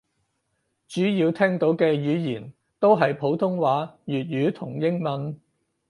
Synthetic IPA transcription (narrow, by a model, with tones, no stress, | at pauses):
t͡ʃyː˨˥jiː˧wt̪ʰɛː˥ŋt̪o˨˥wkɛː˧jyː˨˧jiː˨˩n | t̪o˥wɦɐ˨jpʰo˨˥wt̪ʰʊ˥ŋwaː˨˥jyː˨t̚jyː˨˥t̪ʰʊ˨˩ŋjɪ˥ŋmɐ˨˧n